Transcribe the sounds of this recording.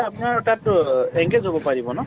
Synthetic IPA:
apunaɹɔtatɛŋɡezɦobɔpaɹibɔnɔ

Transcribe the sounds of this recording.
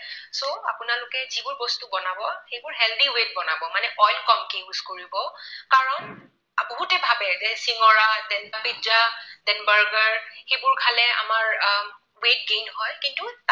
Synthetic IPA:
soa̰pʊnalʊkɛzibʊɹbɔstubɔnabɔxejbʊɹɦɛldiwet̚bɔnabɔmanɛʔɔjlkɔmkezkoɹibɔkaɹɔn | bɔɦutɛbʱabɛzɛsiŋɔɹadɛnapidzadɛnbaɹɡaɹxejbʊɹkʰalɛa̰maɹ | wet̚ɡejnhɔjkintut

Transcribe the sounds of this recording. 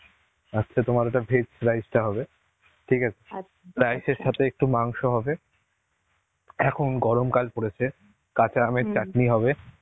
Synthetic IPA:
atːɕʰat̪omaɾɛʈabʱesɾajd͡ʑʈaɦɔbe | ʈʰikat͡ɕʰe̥ | ɾajʃeɾʃat̪ʰeek̚ʈumaŋʃoɦɔbe | ɛkʰonɡɔɾomkalpoɽet͡ɕʰe | kat͡ɕʰeameɾt͡ɕakniɦɔbe

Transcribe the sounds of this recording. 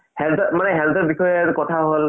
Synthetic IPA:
hɛltɔmanɛɦɛltɔɹbixɔjɔɹkɔtʰaɦol

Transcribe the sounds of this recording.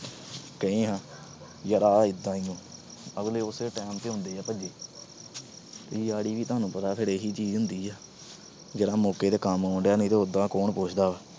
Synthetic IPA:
kəĩːɦãː | jəɾaːɪd̪ːãːiːõː | əɡleːʊseːʈɛːmt̪eːɦʊ̃nd̪eːɛːpəd͡ʒeː | t̪eijaːɽiːʋiːt̪oʊaːnũːpət̪aːpʰɪɾeːɦiːt͡ʃiːd͡ʒɦʊ̃nd̪iːaː | d͡ʒeːɽãːmoːkeːd̪eːkəmoːɳɖjaːnĩːt̪eːʊd̪ãːkoːɳpʊːt͡ʃʰd̪aːʋɛː

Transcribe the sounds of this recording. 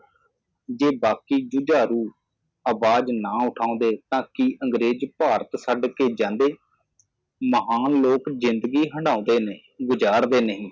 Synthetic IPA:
d͡ʒeːbaːkiːd͡ʒʊd͡ʒaːɾuː | əʋaːd͡ʒnãːʊʈʰãːõːnd̪eːt̪ãːkiʔəŋɡɾeːd͡ʒpaːɾət̪səɖkeːd͡ʒãːnd̪eː | məɦaːnloːkzɪnd̪ɡiːɦəɳɖãːõːnd̪eːneː | ɡʊd͡ʒaːɾd̪eːnəɦĩː

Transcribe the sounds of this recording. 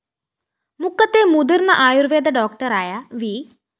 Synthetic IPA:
mʊkːət̪eːmud̪iɾnaʔaːjuɾʋeːd̪aɖɔːk̚ʈəɾaːjaʋiː

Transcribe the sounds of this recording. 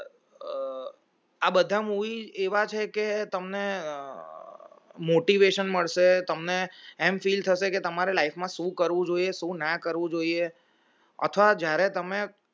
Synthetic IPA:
abəd̪ʱamuʋieʋat͡ʃʰeket̪əmne | moʈiʋeʃənməɭʃet̪əmneɛmfilt̪ʰəʃeket̪əmaɾelaifmãʃũkəɾʋũd͡ʒoieʃũnakəɾʋũd͡ʒoie | ə̰t̪ʰʋad͡ʒjaɾet̪əme

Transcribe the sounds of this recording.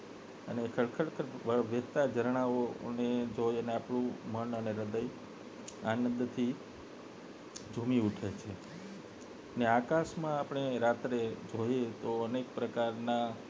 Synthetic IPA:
ənekʰəɭkʰəɭkʰəʋəʋət̪ad͡ʒəɾɳ̃aoned͡ʒojəneapɳ̃ũmənəneɾəd̪əj | anənd̪t̪ʰi | d͡ʒʱumiuʈʰet͡ʃʰe | əneakaʃmãːpəɳ̃eɾat̪ɾed͡ʒojet̪oənekpɾəkaɾna

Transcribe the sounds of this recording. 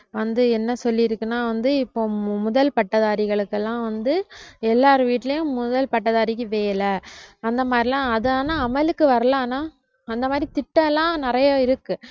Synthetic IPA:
ʋɐnd̪ɯɛnːɐsɔlːɪɪɾɯkːɯnaːʋɐnd̪ɯɪpːoːmʊðɐlpɐʈːɐðaːɾɪɣɐɭɯkːɛlːãːʋɐnd̪ɯɛlːaːɾɯʋiːʈːɪlɐjʊ̃mʊðɐlpɐʈːɐðaːɾɪkːɯʋeːlɐɐnd̪ɐmaːd̪ɾilãːɐðɯaːnaːɐmɐlɯkːɯʋɐɾɐlãːnaː | ɐnd̪ɐmaːd̪ɾit̪ɪʈːɐlːãːnɪɾɐjɐɪɾɯkːɯ

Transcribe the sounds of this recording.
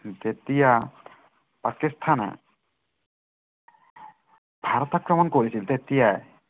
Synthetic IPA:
d͡ʒ̪et̪ija | pakist̪ʰan̰ | bʱaɾɔt̪akɾɔmɔnkoɾisilt̪et̪ijaj

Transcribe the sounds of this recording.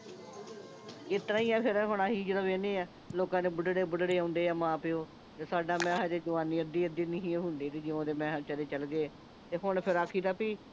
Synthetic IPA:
ɪt̪ɾãːiːɛːpʰɪɾɦʊɳãːɦiːd͡ʒəd̪aːʋeːneːɛː | loːkãːneːbʊɖɽeːbʊɖɽeːãːʊnd̪eːɛːmãːpɪoː | t̪eːsaːɖaːmɛ̃ːɦɛd͡ʒeːd͡ʒəʋaːniːəd̪ːiːəd̪iːnɪɦĩːɦʊ̃nd̪iːt̪eːd͡ʒɪõːd̪eːmɛ̃ːt͡ʃəleːt͡ʃəlɡeː | t̪eːɦʊɳpʰɪɾaːkʰiːd̪aːpiː

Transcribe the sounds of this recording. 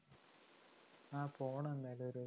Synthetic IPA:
aːpoːɳɐ̃enːaːjloɾu

